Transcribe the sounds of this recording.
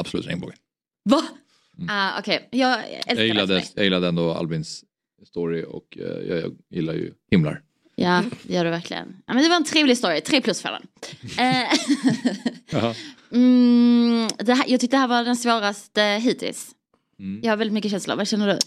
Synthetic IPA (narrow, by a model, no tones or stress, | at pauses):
abslʉ̰ːt̪ɾɛ̰ŋbo̰ːɡ̪ | va | aːɔ̰kʰɛjjɑːɡɛjɪlːad̪əjɑːjɪlːad̪əɛnd̪oa̰lbɪnsː | t̪ɔɾɪɔ̰kjɑ̰jɪlːajɵ̰hɪmla̰ɾ | jaːd̪ɛjœːɖɛvæɾkʰlɪ̰ɡə̰nna̰jmɛnd̪ɛvaɾɛnt̪ʰɾeːvlɪɡst̪oːɾɪt̪ʰɾeːpʰlɵsfɛ̰lə̰nː | d̪ɛɦæjɑːɡt̪ʏkt̪əd̪ɛɦæːɾvaɖɛnsvoːɾast̪əɦiːt̪ʰɪ̰ls | jɑːɡhaɾvɛlɪt̪mʏkːəɕɛnsla̰vaɕɛnːəɖɵ